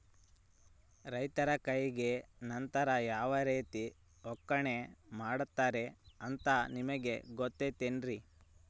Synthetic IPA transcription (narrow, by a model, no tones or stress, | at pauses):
ɾɐjt̪ɐɾɐkɐjɡe̞nɐnt̪ɐɾɐjaːʋɐɾeːt̪i | ɔkːɐɳemaːɽut̪ːaːɾe̞ɐnt̪ɐnimɐɡe̞ɡɔt̪ːet̪enɾi